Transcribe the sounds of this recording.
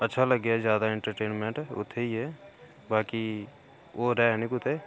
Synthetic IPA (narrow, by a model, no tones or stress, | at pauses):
ɐtːʃʰalɐɡːjaɛzjaːd̪aẽɳʈəɾʈeːnmẽɳʈʊ̰t̪ʰːeiɦɛ | baːki | oɾɛːɦɛnĩkʊt̪ʰeː